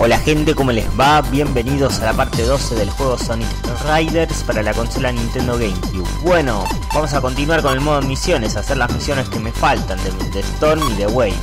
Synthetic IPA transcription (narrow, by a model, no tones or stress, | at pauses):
olaxe̞nt̪e̞ko̞mo̞lḛzβaβje̞mbe̞nið̞o̞salapaɾt̪e̞ðo̞seðelxwe̞ɣ̞o̞sonik | rajðeɾspaɾalako̞nso̞lanĩnt̪e̞nd̪o̞ɣejmkju | bweno̞ | bamo̞sako̞nt̪inwaɾko̞ne̞lmoð̞oemisjo̞nesaseɾlazmisjo̞ne̞skeme̞falt̪and̪emd̪est̪oɾmiðewej